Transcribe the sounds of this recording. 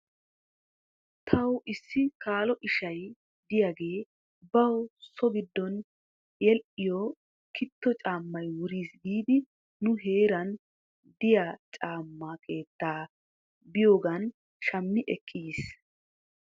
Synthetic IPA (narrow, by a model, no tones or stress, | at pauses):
t̪ʰɐwʔɪsːɪkaːlɔʔɪʃɐj | d̪ɪjaːɡe̞ː | bɐwsɔbɪd̪ːɔn | jɛlʔɪjɔ | kʰɪt̪ːɔt͡ʃʼaːmːɐjwʊɾiːsɡiːd̪ɪ | nʊɦe̞ːɾɐn | d̪ɪjat͡ʃʼaːmːɐkʰe̞ːt̪ːaː | bɪjo̞ːɡɐn | ʃɐmːɪʔɛkʰːis